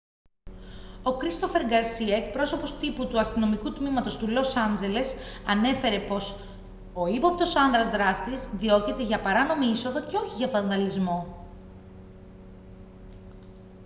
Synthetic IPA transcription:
o̞kɾist̪o̞fe̞ɾɡɐɾsiɐek̚pɾo̞so̞po̞st̪iput̪uɐst̪ino̞mikut̪mimɐt̪o̞st̪ulo̞sɐnd͡ze̞le̞sɐne̞fe̞ɾe̞po̞s | o̞ipɐpt̪o̞sɐnðɾɐzðɾɐst̪izðio̞cit̪e̞ʝɐpɐɾɐno̞miiso̞ðo̞ce̞o̞çiʝɐvɐnðɐlizmo̞

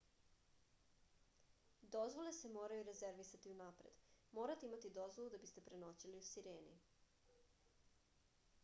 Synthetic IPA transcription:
d̪o̞zʋo̞le̞se̞mo̞ːɾajuɾe̞ze̞ɾʋisat̪iunaːpɾḛd̪mo̞ːɾat̪eimat̪id̪o̞zʋolˠud̪abist̪e̞pɾe̞no̞ːt͡ɕiliusiɾeːnḭ

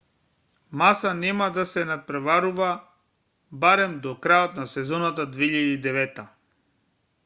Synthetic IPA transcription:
masanɛmad̪asɛnat̪̚pɾɛvaɾuva | baɾɛmd̪ɔkɾajot̪nasɛzɔnat̪ad̪veiʎad̪iːd̪ɛvɛt̪ːa

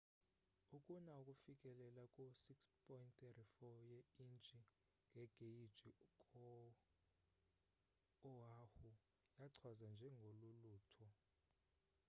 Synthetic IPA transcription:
ukʼunaukʼufikʼɛlɛlakʼusikspʰʼɔjinttɛrifɔjɛint͡ʃʼi | ŋɡʱɛɡ̥ʱeid̥d͡ʒ̥ʱikʼɔ | ɦahu | jaǀʰwazand͡ʒʱɛŋɡʱoluluːtʰɔ

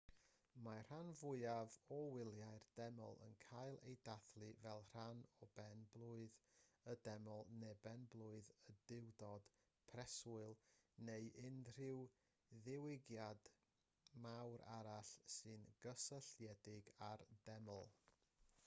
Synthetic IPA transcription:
mar̥anvʊɨavɔwɪlˠjaɨrd̥ɛmɔ̰lˠə̰nkʰaɨlˠḛjdaθlˠɨvɛlˠr̥anɔbɛnblˠʊɨðədɛmɔlˠnɛbɛnblˠʊɨðədɪwdɔd̥ | pʰrɛsʊɨlˠneɨʔɪndr̥ɪw | ðɪwɪɡjad | mawɾʔa̰ɾaɬsɨnɡ̥əsəɬjɛdɪɡard̥ɛmɔlˠ

